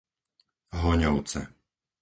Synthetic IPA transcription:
ɦɔɲɔʊt͡sɛ̰

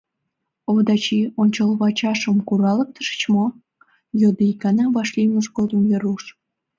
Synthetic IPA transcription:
oβd̪ɑt͡ɕionʲt͡ɕəlβɑt͡ɕɑʃə̆mkuɾɑlək̚t̪ə̥ʃə̥t͡ɕmo | jod̪əkɑnɑβɑʃlʲiməʒɡod̪əmvʲeɾuʃ

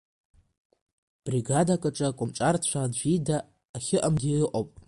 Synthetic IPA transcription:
b̥riɡadakʼaʈ͡ʂʼakʷʼʊmʈ͡ʂʼart͡ɕʷʰadʒʷᶣidaː | χʲɪʔamdijɨqʼowpʼ

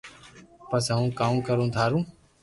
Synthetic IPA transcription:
pəsəɦũːkaːũːkəɾũːt̪ʰaːɾũː

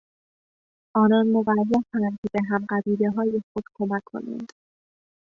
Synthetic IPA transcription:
ʔɒːnɒːnmovæzːæfænd̪be̞ɦæmɢæbiːle̞ɦɒːjexod̪̥kʰo̞mækʰːo̞̰nḭnd̪̥

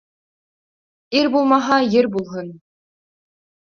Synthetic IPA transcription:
iɾbulˠmɑɦɑjɘ̆ɾbulˠɦɤ̆n

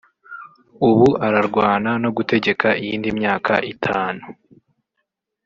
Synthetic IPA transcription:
uβuʔaɾaɾɡwaːnano̞ɡute̞ɟe̞kaijiːndimɲaːkʰa̰ʔitʰaːnu

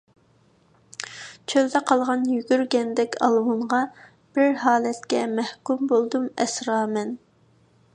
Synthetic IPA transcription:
t͡ʃʰøld̪ɛqʰɑlˠʁɑnjyɡʲyɾɡʲɛnd̪ɛkʲʰɑ̰lˠwuɴʁɑ | b̥ɪɾɦɑːlˠɛt̪kʲɛmɛhkʲumbolˠd̪umɛsɾɑːmɛn

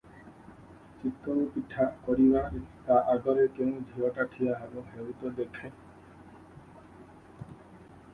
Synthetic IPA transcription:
t͡ʃit̪ɔɾupiʈʰakɔɾibaet̪aʔaɡɔɾekeũd̪ʱiɔʈaʈʰiaɦaɾuɦeut̪ɔd̪ekʰe

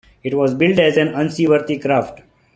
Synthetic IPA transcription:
ɪʈʋɔːzbɪlʈɛzɛ̃nʌ̃nsiːʋəɾt̪ikɾaːfʈ

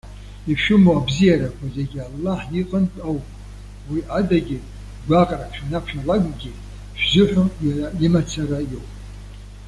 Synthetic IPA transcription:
iʃʊmoabzijaɾakʷʰazeɡʲialːaħiqʼəntʼawpʼ | wiʔadaɡʲi | ɡʷaqʼrapʰʃᶣanapʰʃᶣalaɡʷʼɡʲɪ | ʒᶣzɪħʷᶣʊjaraimat͡sʰarajowpʼ

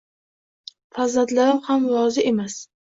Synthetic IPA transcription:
fazad̪laɾɪmhamwɒzɪʔe̞mas

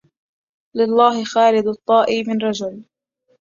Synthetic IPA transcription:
lɪlˤːɑːɦɪxaːlɪd̪ɑt̪ˤːɑːʔiːmɪnɾˤɑd͡ʒʊl

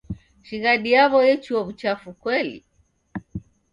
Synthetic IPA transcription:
ʃiɣaɗiaβɔjɛt͡ʃuwaβut͡ʃafukwɛlḭ

